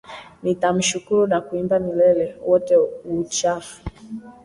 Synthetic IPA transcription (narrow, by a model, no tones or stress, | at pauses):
nitam̩ʃukuɾunakuimbamilɛlɛwɔtɛut͡ʃafu̥